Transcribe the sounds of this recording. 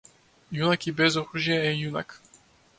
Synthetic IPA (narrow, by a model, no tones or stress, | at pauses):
junakibɛzɔʁuʒjɛɛjuna̰k